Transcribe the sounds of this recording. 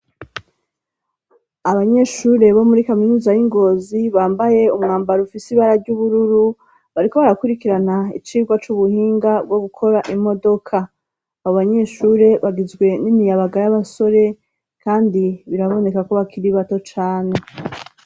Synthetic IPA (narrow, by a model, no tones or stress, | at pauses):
aβaɲe̞ʃuːɾe̞βo̞muɾikaminuzajiŋɡo̞ːziβaːmbaje̞umŋaːmbaɾufisiβaɾaɾɟuβuɾuɾu | βaɾiko̞βaɾakuɾikiɾanaḭt͡ʃiːɡwat͡ʃuβuhiːŋɡabɡwo̞ɡukʰo̞ɾaʔimo̞do̞kʰa | aβoβaɲe̞ʃuɾe̞βaɡizɡwe̞nimijaβaɡaɾajaβaso̞ɾe̞ | kaːndiβiɾaβo̞ne̞kako̞βakʰiɾiβato̞t͡ʃaːne